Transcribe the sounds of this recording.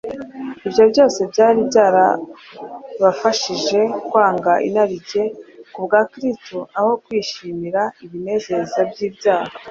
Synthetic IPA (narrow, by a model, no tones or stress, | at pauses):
ibjo̞bɟo̞ːse̞bɟaːɾibɟaːɾa̰ | βafaʃiʒe̞kwaːŋɡaʔḭnaɾiɟe̞kubɡaːkɾistoaho̞kwiːʃiːmiɾaiβine̞ːze̞zabɟiːbjaːha